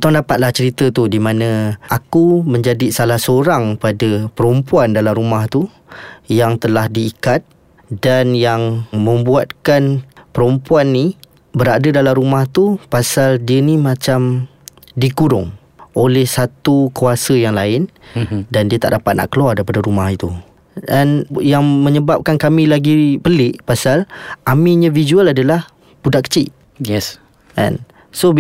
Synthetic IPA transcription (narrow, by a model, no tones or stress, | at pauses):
t̪aŋndapat̪̚laht͡ʃəɾit̪ət̪udimãnə̃akumə̃ɲd͡ʒadisalahsəoɾaŋpadəpəɾompuandalamɾumaht̪u | jaŋt̪əlahdiːkat̪̚ | danjaŋmə̃mbuat̪̚kanpəɾompuanːi | bəɾadədalamɾumaht̪upasaldiənĩmãt͡ʃam | diɡuɾʊŋ | ʔolɛhsat̪ukuasəjaŋlaɪndandiət̪a̰ʔdapat̪̚na̰ʔkəluardaipadəɾumaɦit̪u | danjaŋmə̃ɲəbap̚kankamĩlaɡipəlɪʔpasalʔamiɲãvizualadalah | budaʔkə̥t͡ʃɪʔ | s | ɛ̰n | so